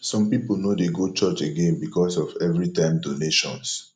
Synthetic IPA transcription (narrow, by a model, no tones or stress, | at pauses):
sɔ̃mpipol̩nodeɡot͡ʃɔt͡ʃeɡẽnbikɔsɔvɛvɹitãɪ̃mdoneʃɔ̰̃ns